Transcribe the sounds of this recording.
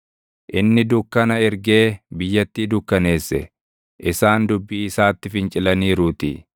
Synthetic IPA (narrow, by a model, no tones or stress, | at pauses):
ʔɪnːɪd̪ʊkːɐnɐɪɾɡe̞ːbɪjːɐt̪ːiːd̪ʊkːɐne̞ːsːɛ̰ | ʔɪsaːnd̪ʊbːiːɪsaːt̪ːɪfɪnt͡ʃʼɪlɐniːɾuːt̪ɪ̰